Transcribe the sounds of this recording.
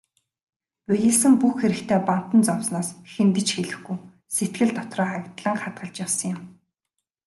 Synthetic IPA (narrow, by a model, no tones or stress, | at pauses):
pæjɘ̆ɮsɘ̆mpuxxeɾɘ̆kt̪ʰeːpan̥t̪ə̆nt͡sɔwsnɔːsxent̪ɘ̆t͡ɕxeɮɘ̆xɡuj | set̪̚ɡɘ̆ɮt̪ɔt̪rɔːakt̪ɮə̆ŋχat̪̚ɢə̆ɮt͡ɕjawsə̆ŋjʊ̆m